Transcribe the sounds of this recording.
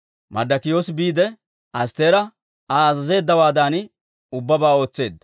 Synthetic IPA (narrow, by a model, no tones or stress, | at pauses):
mɐ̰d̪ːɐkɪjo̞ːsɪbiːd̪ɛ | ɐst̪e̞ːɾɐ | aːzɐze̞ːd̪ːɐwaːd̪aːn | ʊbːɐbaːo̞ːt͡sːe̞ːd̪ːɐ